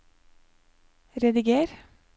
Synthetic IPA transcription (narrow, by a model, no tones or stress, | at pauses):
ɾɛd̪ɪɡeːɾ